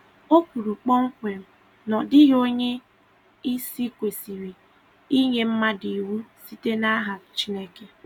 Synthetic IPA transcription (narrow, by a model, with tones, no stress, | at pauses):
o˦kʷu˨ɾu˨k͡pɔ˦ŋ̩˦kʷe˨m̩˨ | nɔ˨dɪ˦ɦo˦ɲe˦ | i˦si˦kʷe˨si˨ɾi˨ | i˦ɲe˦m̩˦ma˦di˨wu˦si˦te˦na˦ɦa˨t͡ʃi˦ne˦ke˦